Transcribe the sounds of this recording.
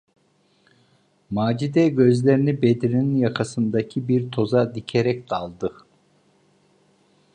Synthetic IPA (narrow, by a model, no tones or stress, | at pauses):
maːd͡ʒid̪ɛɟø̞zlʲeɾinibed̪iɾininjakʰasɯnd̪acʰibiɾt̪ʰo̞zad̪icʰeɾɛc̚d̪alˠd̪ɯ